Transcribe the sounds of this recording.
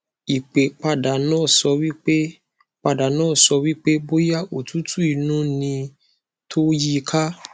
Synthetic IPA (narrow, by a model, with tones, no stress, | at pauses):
i˨k͡pe˨k͡pa˧da˨nãː˦˨sɔ˧wi˦k͡pe˦ | k͡pa˧da˨nãː˦˨sɔ˧wi˦k͡pe˦bo˦ja˦o˨tu˨˦tu˦i˨˧˨nũ˦nĩ˧ | tʰo˦ji˦˧kʰa˦